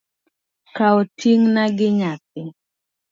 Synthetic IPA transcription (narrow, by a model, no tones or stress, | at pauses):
kaɔtʰiŋnaɡɪɲap̚ɪ